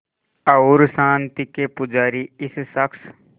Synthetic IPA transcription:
ɐʊɾsãːnt̪ikepʊd͡ʒaːɾiɪssəkʰs

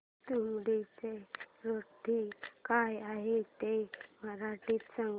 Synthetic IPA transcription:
t̪umɽit͡seɾoʈːikajaɦet̪eməɾaʈiːt̪sãŋɡ

